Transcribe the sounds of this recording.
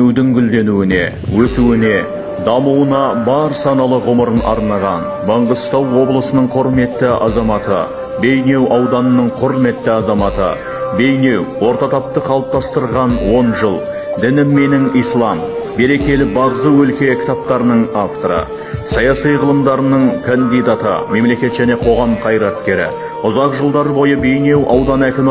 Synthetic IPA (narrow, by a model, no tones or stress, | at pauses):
ewd̪ɪŋɡʲʏld̪e̞nuwɪne̞̰ | wɵsuwɪne̞ | d̪ɑmuwənɑbɑɾsɑnɑlˠəʁʊməɾənʔɑ̰ɾnɑʁɑn | bɑɴʁəst̪ɑwːo̞blˠəsənəɴqʰʊɾme̞t̪ːɪʔɑ̰zɑmɑt̪ə̰ | be̞jne̞wɑwd̪ɑnənəɴqʰʊɾme̞t̪ːɪɑzɑmɑt̪ə̰ | be̞jne̞wwo̞ɾt̪ɑt̪ʰɑp̚t̪əqʰɑlˠəp̚t̪ʰɑst̪əɾʁɑnwo̞nʒəlˠ | d̪ɪnɪmːe̞nɪŋijslˠɑmbe̞ɾe̞kʲe̞lɪbɑʁəzəwɵlkʲe̞kʲʰɪ̥t̪ɑp̚t̪ɑɾənəɴaft̪oɾə̰ | sɑjɑsijʁəlˠəmd̪ɑɾənəɴkʰond̪ijd̪ɑt̪ə̰me̞mle̞kʲe̞t̪ʒæne̞qʰo̞ʁɑmqʰɑjɾɑt̪̚kʲe̞ɾɪ̰ | ʊzɑqʒəlˠd̪ɑɾbo̞jəbe̞jne̞wʔɑwd̪ɑnækʲɪm